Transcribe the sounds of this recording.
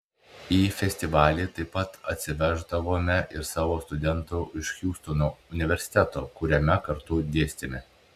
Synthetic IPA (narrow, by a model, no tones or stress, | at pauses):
iːfʲɛsʲt̪ʲɪʋɑːlʲiːt̪ɐɪpːɐt̪ɐt̪ʲsʲɪʋʲæʒd̪ɐʋoːmʲɛʔɪɾsɑːʋoːst̪ʊd̪ʲɛnt̪oːʔɪʃʲxʲuːst̪onoːʊnʲɪʋʲɛɾʲsʲɪ̥t̪ʲɛt̪oːkʊɾʲɛmʲɛkɐɾt̪ʊd̪ʲeːsʲt̪ʲɪmʲɛ